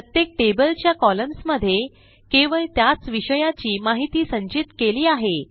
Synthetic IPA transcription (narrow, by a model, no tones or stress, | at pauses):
pɾət̪jek̚ʈebəlt͡ɕjakɔləmsməd̪ʱːje | keʋəɭt̪jat͡sʋiɕəjat͡ɕiːmaɦit̪iːsə̃ɲt͡ɕit̪keliːaɦe